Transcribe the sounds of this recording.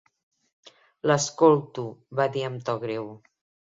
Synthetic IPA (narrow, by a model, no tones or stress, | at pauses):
ləskolˠt̪uβaðiəmt̪ɔɣɾew